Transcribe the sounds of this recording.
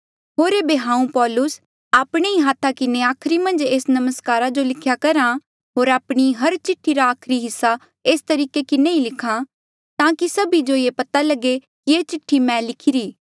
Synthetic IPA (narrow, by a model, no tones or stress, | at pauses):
ɦoːɾeːbeɦãːũpɔːlʊs | aːpɽ̃eiɦaːt̪ʰakɪneaːkʰɾimɐ̃nd͡ʒeːsnɐməskaːɾad͡ʒolɪkʰjakɐɾã | ɦoːɾaːpɽ̃iɦɐɾt͡ʃɪʈʰːiɾaːkʰɾiɦɪsːa | eːst̪ɐɾiːkekɪneilɪkʰã | t̪ãːkisɐbid͡ʒojepɐt̪alɐɡekieːt͡ʃɪʈʰːimɛ̃ːlɪkʰɪɾiː